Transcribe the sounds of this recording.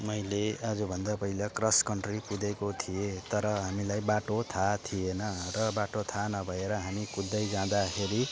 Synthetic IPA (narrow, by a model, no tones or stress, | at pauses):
mʌjlead͡zubʱʌnd̪apʌilakrʌskʌɳʈrikud̪ekot̪ʰiet̪ʌɾʌɦamilajbaʈot̪ʰat̪ʰijenʌrʌbaʈot̪ʰanʌbʱʌeɾʌɦamikud̪ːʌjd͡zãd̪akʰeɾi